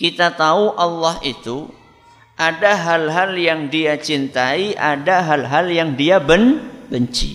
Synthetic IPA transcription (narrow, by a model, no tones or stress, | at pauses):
kit̪at̪auʔɑlːɑɦit̪u | ʔadaɦalɦaljaŋdiat͡ʃint̪aiʔa̰daɦalɦaljaŋdiabənbəɲt͡ʃḭ